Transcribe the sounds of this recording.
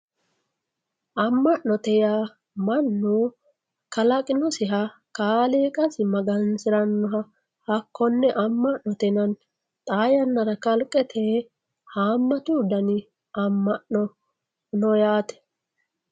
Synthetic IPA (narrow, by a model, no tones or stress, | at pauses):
ʔɐmːɐʔnɔt̪ɛja | mɐnːu | kɐlɐkʼɪnɔsɪɦɐkaːleːkʼɐsɪmɐɡɐnsɪɾɐnːɔɦɐ | hɐkʰːɔnːɛʔɐmːɐʔnɔt̪ɛnɐn | t̪ʼaːjɐnːɐɾɐkɐlkʼɛt̪ʰe | haːmːɐt̪uːd̪ɐnɪ | ɐmːɐʔnɔ | nɔjaːt̪ɛ̥